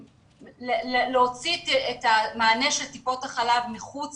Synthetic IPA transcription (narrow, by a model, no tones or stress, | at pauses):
leleleot͡sitetamaːneʃeltipo̞taχalavmiχut͡s